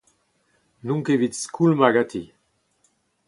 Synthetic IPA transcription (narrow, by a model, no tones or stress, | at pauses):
nũŋkevit̪skʰulmaɡat̪ʰi